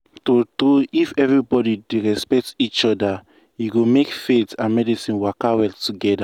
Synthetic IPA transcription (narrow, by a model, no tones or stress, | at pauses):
totɾuifɛvɹibɔdideɹɛspɛk̚tit͡ʃɔda | juɡomekfetãnmɛdisĩnwakawɛltuɡɛda